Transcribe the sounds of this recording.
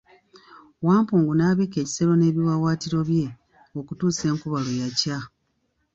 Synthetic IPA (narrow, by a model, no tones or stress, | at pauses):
waːmpuːŋɡunaːβike̞ːci̥se̞lo̞ne̞ːβiwawaːtiɾo̞βje̞ | o̞kutuːse̞ːŋkuβalojaca